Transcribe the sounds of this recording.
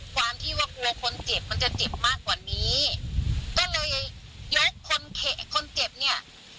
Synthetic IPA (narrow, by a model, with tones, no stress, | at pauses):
kʰwaː˧mt̪ʰiː˥˩waː˧˩ku˧ɐkʰo˧nt͡ɕe˨˩p̚ma˧nt͡ɕa˨˩t͡ɕe˨˩p̚maː˥˩kwaː˨˩niː˦˥ | kɔː˥˩lɤː˧jjo˦˥kʰːo˧nkʰe˨˩kʰo˧nt͡ɕe˨˩p̚ni˥˩ɐ